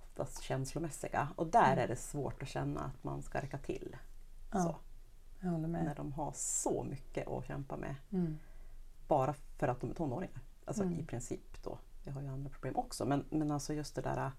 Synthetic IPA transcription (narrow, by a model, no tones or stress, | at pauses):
ɔft̪ʰa̰st̪ɕɛnslʊmɛsːɪɡaɔd̪æːɾæɖɛsvoːʈɔɕɛnːa̰ːt̪ma̰nskaɾɛkːat̪ʰɪ̰lː | sɔ | næɖɔmɦaʂɔmʏkːəʔɔ̰ɕɛmpamʔɛ̰ | b̥ɑːɾafœɾat̪d̪ɔmæt̪ʰɔnːoːɾɪŋaɾ | ʔalsɔɪpʰɾɪnsiːpd̪̥ɔ̰ | vɪɦaɾjɵand̪ɾapʰɾʊbleːmʔɔksɔmɛnmɛnalsɔjɵst̪̚d̪ɛd̪æ̰ːɾa